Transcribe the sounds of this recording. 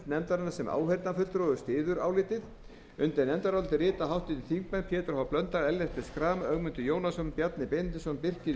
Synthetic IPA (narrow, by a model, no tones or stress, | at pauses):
t̪nɛmt̪aɾɪnḁsɛma̰ːwhejɾt̪nafʏlt̪ɾɔðʏst̪ɪːðʏɾa̰ːwlɪːt̪ɪð | ʏnt̪enɛnt̪aɾɔlt̪ɪrɪːt̪aɦawht̪ɪt̪iθiŋkmɛnpʰjɛːt̪ɪɾhawplœnt̪aɾɛlːɛht̪ɪskɾaːmœɣmʏnt̪ʏjoːwnasʏmpjat̪nɪpent̪ɪsɔnpɪr̥cɪ